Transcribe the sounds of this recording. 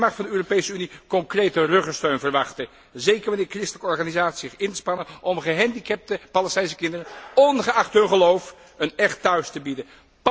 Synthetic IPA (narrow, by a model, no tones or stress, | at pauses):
mɑχfɑndəøːropejsəynikɔŋkrejtərøχəstøɥnvərʋɑχtə | zejkəɹʋɑnɪːɹkrɪstələkəɔɹχaːnizaːti̥szɪχɪntəspɑnənʔɔmχəɦɛndikɛp̚təpɑləstɛnsəkɪndərənɔnχəɑχtɦɵnχəlowf | ənɛχtːœɥstəbidən | p